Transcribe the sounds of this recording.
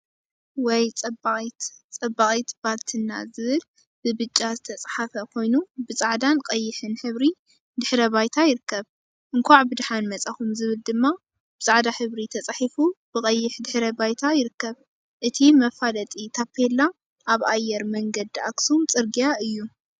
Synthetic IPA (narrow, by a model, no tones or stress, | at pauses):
wɔjt͡sʼɐbʼt̪t͡sʼɐbaχʼit̪bʰaɾt̪ʰɨnːa̰zɨβɨl | bɨbɨt͡ʃʼːazɨt̪ʰɐt͡sʼħafɐkʰo̞jnubɨt͡sʼaʕd̪anqʼɐjːɪħɨnħɨβɾi | d̪ɨħɾɐβajt̪ʰajɪɾɨkːɐβ | ʔɨŋkʷʰaʕbɨd̪ħanmɐt͡sʼaxumzɨβɨld̪ɨmːa | b̥ɨt͡sʼaʕd̪aħɨβɾit̪ʰɐt͡sʼaħifub̥ɨkʼɐjːɪħd̪ɨħɾɐbajt̪ʰajɪɾɨkːɐβ | ʔɨt̪ʰimɐfalɐt̪ʼit̪ʰapʰːelːa | ʔaβʔajːɛɾmɐŋɡɐd̪iaksumt͡sʼɨɾɡijaɨjːu